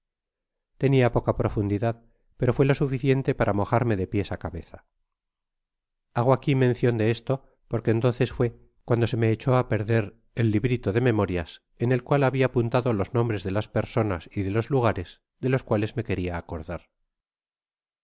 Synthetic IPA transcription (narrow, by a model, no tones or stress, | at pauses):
t̪e̞niapo̞kapɾo̞fund̪iðað | pe̞ɾo̞fwe̞lo̞sufiθje̞nt̪e̞paɾʔamo̞xaɾme̞ðe̞pje̞sakaβe̞θa | aɣ̞oakimẽ̞nθjo̞nd̪e̞est̪o̞ | po̞ɾke̞ːnt̪o̞nθe̞sfwe̞ | kwand̪o̞se̞me̞ːt͡ʃo̞ape̞ɾðe̞ɾ | elːiβɾit̪o̞ðe̞me̞moɾjas | ene̞lkwalaβiaːpunt̪aðo̞lo̞znõ̞mbɾe̞zðe̞laspe̞ɾso̞na̰siðe̞lo̞zluɣ̞aɾe̞z | ðe̞lo̞skwale̞zme̞ke̞ɾiaːko̞ɾðaɾ